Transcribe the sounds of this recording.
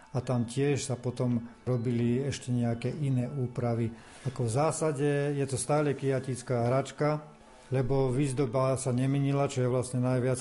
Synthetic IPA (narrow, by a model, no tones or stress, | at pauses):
at̪amcɪɛʃsapɔt̪ɔmɾɔbiliɛʃcɛɲɛakɛːʔinɛːuːpɾaʋi | akɔvzaːsaɟɛjɛt̪ɔst̪aːlɛkiacit͡skaːɦɾat͡ʃka | lɛbɔʋizd̪ɔbasaɲɛmɛɲilat͡ʃɔjɛʋlasɲɛnajʋɪat͡s